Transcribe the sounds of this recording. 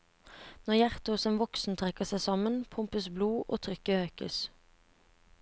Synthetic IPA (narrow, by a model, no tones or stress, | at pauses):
nɔʁjæʁt̪əhʊsɛmʋɔksn̩t̪ʰʁɛkəʁsæɪsɑmənpʰʊmpəsbluːʔo̰ːt̪ʰʁʏkəøːkə̰s